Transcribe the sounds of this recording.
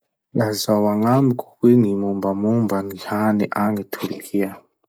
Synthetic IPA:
lazawaŋamikʰu̥kwinimumbamumbanihanɛʔaŋɛtʰuɾikʰia

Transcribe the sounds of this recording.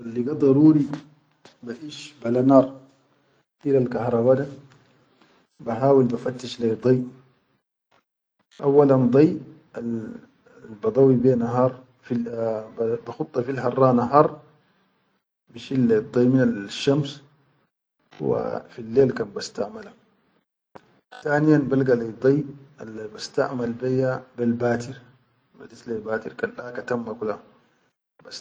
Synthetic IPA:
alːiɡad̪ˤɑɾˤuːɾi | baħiːʃbalanɑːɾˤ | ʔilalkahɾˤɑbaːd̪a | baħaːwilbafat̪ːaʃlad̪ˤɑjʔ | ʔa̰wːaland̪ˤɑj | al | lbɑd̪ˤɑwibeːnaɦɑːɾˤ | fi | t̪axʊt̪ˤːɑfilħɑrˤːɑːnaɦɑːɾˤ | biʃilːd̪ˤejminalʃːams | wa̰filːeːlkaːnbast̪aʕmala | t̪aːnijanbalɡalid̪ˤejalbast̪a̰ʕmalbejːabelbaːt̪iɾ | ba̰d̪it̪lelbaːt̪iɾkanlaːkat̪amːakula | bas

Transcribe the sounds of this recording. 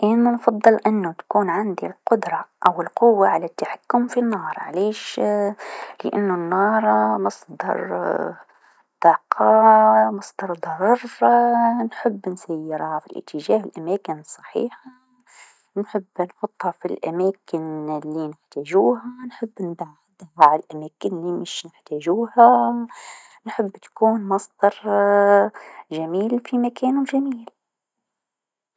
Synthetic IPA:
ʔeːnanfɑd̪ˤːɨlʔɪnːʊt̪ḁkuːnʕɪnd̪ilqʊd̪ɾˤɑʔawɪlqʊwːaʕalat̪ːaħakːʊmfinːɑːɾˤʕa̰leːʃ | lɪ̰ʔa̰nːʊnːɑːɾˤmɑsˤd̪ɑ̰ɾˤ | d̪ɑːqʰɑmɑsˤd̪ɑɾˤd̪ˤɑɾˤɑɾˤ | nħɪbːnsajːɪɾafilʔɪ̰t̪ʰːɪʒaːhɪlʔamaːkɪnsˤːɑ̥ħḭːħa | nħɪbːnħʊt̪ˤːhafilʔa̰maːkɪnlːinɪħt̪aːʒuːɦanħɪbːnd̪aʕɪd̪aʕalʔamaːkɪnlimɪʃnɪħt̪aːʒuːha | nħɪbːt̪ḁkuːnmɑsd̪ɑɾˤ | ʒamiːlfimakeːnʊʒamiːl

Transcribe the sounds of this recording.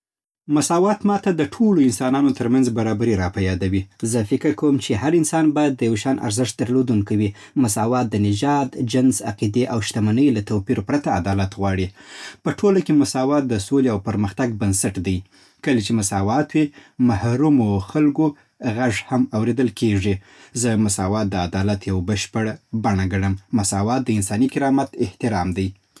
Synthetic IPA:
mʊsɑwɑt̪mɑt̪ad̪əʈʰoloɪnsɑnɑnot̪əɾmanzbaɾɑbaɾiɾɑpajɑd̪awizəfɪkɪɾkawəmt͡ʃeɦaɾɪnsɑnbɑjad̪ːəjawʃɑnʔa̰ɾzɪʃt̪̚d̪əɾlod̪uŋkawi | mʊsɑwɑt̪̚d̪ənɪd͡ʒɑd̪d͡ʒɪnsaqid̪eʔawʃt̪amanəjlat̪awpiɾopɾat̪aːd̪ɑlat̪ɣwɑɽipəʈʰolakemʊsɑwɑt̪̚d̪əsoleawpəɾməxt̪aɡ̚bansaʈd̪aj | kəlet͡ʃemʊsɑwɑt̪wimahɾumoxalɡo | ɣaʐhamawɾed̪əlkeʐi | zəmʊsɑwɑt̪̚d̪əad̪ɑlat̪jawbəʃpəɽbaɳaɡaɽəmːʊsɑwɑt̪̚d̪əɪnsɑnikɪɾɑmat̪ɪht̪ɪɾɑmd̪aj

